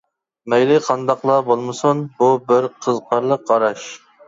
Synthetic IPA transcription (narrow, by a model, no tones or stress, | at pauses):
mɛjlɪqʰɑnd̪ɑqlˠɑbolˠmɨsunbubɪɾqʰəzqʰɑɾlˠəq̚qɑɾɑʃ